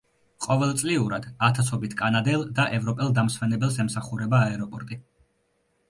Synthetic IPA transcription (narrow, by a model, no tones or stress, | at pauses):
qʼɔvɛlˠt̪sʼliuɾad̪̥at̪ʰasʰɔbit̪ʰkʼanad̪ɛlˠd̪aʔɛvɾɔpʼɛlˠd̪amsmɛnɛbɛlˠsɛmsaχuɾɛbaːɛɾɔpʼɔɾt̪ʼi